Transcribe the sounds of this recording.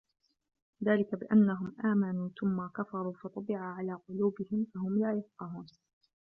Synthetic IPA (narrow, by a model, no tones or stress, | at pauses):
ðaːlɪkabɪʔanːaɦʊmʔaːmanuːθʊmːakafɑɾˤuːfɑt̪ˤɑbɪʕaʕalaːqʊluːbɪhɪmfaɦʊmlaːjʊfqɑɦuːn